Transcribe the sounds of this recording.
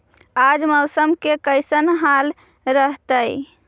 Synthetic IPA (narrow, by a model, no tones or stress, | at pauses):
ad͡ʒməwsəmkekəjsənɦal | ɾəɦt̪əj